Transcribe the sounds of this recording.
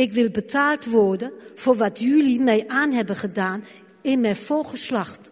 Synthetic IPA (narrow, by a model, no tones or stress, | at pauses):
ɪkʋɪlˠbətʰaːlˠtʋɔɹdəfoːrʋatʰjylimɛjʔaːnɦɛbəχədaːn | ɪnmɛjfoχəslaxt